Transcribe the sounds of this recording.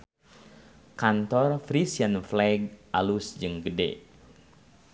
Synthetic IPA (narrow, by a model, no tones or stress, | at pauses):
kant̪ɔrfɾisianflɛɡ̚ʔalusd͡ʒɨŋɡədɛ̰